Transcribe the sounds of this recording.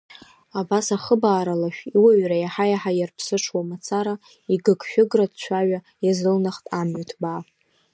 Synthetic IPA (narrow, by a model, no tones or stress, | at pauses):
abasaχəbaːɾalaʃᶣiwaɥrajaħajaħajarpʰsɨʈ͡ʂʰwamat͡sʰaɾa | iɡɨɡʰʃᶣʊɡradt͡ɕʷʰaɥa | jazɨlnaχtʼamɥatʰba